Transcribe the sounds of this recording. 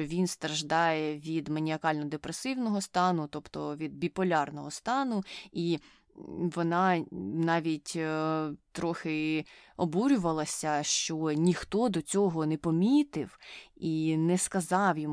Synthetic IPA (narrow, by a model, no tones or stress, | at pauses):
ɔʋʲinst̪ɾɐʒd̪ɑjɛʋʲid̪mɐnʲiɐkɑlʲnɔd̪epɾesɪwnɔɦɔst̪ɑnʊt̪ɔpt̪ɔʋʲid̪̚bʲipɔlʲɑrnɔɦɔst̪ɑnʊi | ʋɔnɑnɑʋʲitʲ | t̪ɾɔxɪɔbuɾʲʊʋɐlˠɐsʲɐʃt͡ʃɔnʲixt̪ɔd̪ɔt͡sʲɔɦɔnɛpɔmʲit̪ɪwinɛskɐzɑwjɔm